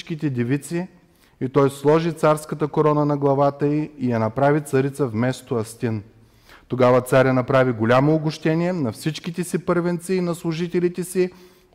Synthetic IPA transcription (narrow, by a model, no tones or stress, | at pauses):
t͡ʃk̟it̪ɛd̪ʲɛvit̪si | it̪ɔjslˠɔʒit̪saɾskət̪əkoɾɔnənɐɡlˠɐvat̪əiːjɐnɐpɾavit̪sɐɾit̪səvmɛst̪oɐst̪in | t̪oɡavət̪saɾʲjɐnɐpɾaviɡolʲamoːɡʊʃt̪ɛniɛnɐfsit͡ʃk̟it̪ɛsipɤɾvɛnt̪siːnɐslˠʊʒit̪ɛlit̪ɛsi